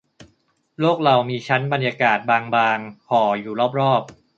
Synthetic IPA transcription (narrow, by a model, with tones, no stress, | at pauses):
loː˥˩k̚ɾa˧wmiː˧t͡ɕʰa˦˥nba˧nja˧kaː˨˩t̪̚baː˧ŋbaː˧ŋkʰɔː˩˦juː˨˩lɔː˥˩p̚ɾɔː˥˩p̚